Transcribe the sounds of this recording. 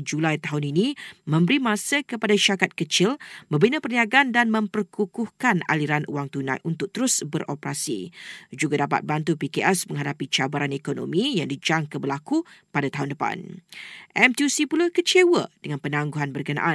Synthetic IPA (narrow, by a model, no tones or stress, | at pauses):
d͡ʒulajt̪aɦʊninĩmə̃mbəɾimãsəkəpadaʃakat̪̚kət͡ʃɪlbəbinəpərniaɡaandanmə̃mpərkukʊhkana̰liɾanṵwaŋt̪unã̰jʔunt̪ʊk̚t̪əɾʊsbəɾʔopəɾasḭd͡ʒuɡadapa̰t̪̚bant̪̬upikeʔɛsmə̃ŋɦadapit͡ʃabaɾanekono̰mĩjaŋdid͡ʒaŋkəbəlakupadat̪aɦʊundəpa̰nʔɛmt̪jusipuləkət͡ʃewədəŋãnpənãŋɡuɦanbərkəna̰ʔa